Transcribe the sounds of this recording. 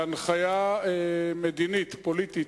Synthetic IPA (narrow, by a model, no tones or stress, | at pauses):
anχajaemed̪init̪polit̪it